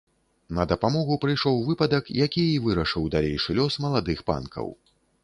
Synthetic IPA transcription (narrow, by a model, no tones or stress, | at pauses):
nɐd̪ɐpamɔɣupɾɨjʂɔwvɨpɐd̪ɐkjakʲiivɨɾɐʂɨwd̪alʲḛjʂɨlʲɔsmɐlˠad̪ɨxpa̰nkʰɐ̰w